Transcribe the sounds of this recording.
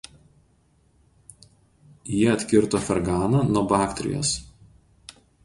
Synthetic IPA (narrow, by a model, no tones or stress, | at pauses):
jiɛɐt̪ʲkʲɪɾt̪ofʲɛɾɡɑːnɐnuɔbɑːkt̪ʲɾʲɪ̰jo̰ːs